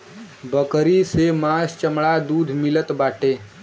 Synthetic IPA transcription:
bəkɾisemãst͡ʃəmɽad̪uːd̪ʱmɪlət̪baːʈeː

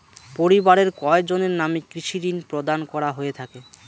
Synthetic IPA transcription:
poɾibaɾeɾkɔek̚d͡ʑoneɾnamikɾiʃiɾinpɾod̪ankɔɾaɦoet̪ʰake

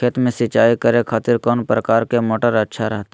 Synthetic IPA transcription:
kʰeːt̪mẽsɪt͡ʃaːikəɾekʰaːt̪ɪɾkɔːnpɾəkaːɾkemoːʈəɾɐtːʃʰaɾɐɦt̪a

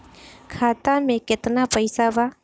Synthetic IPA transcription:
kʰat̪amẽket̪napəjsaʋa

